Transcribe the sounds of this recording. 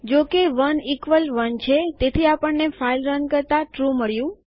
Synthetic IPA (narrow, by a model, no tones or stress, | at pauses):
d͡ʒokeʋənikʋəlʋənt͡ʃʰet̪et̪ʰiapəɳːefailɾənkəɾt̪aʈɾuməɭjũ